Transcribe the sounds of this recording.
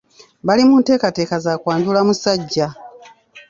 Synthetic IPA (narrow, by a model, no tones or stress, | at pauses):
balimuːnte̞ːkate̞ːkazaːkwaːɲdulamusaɟːa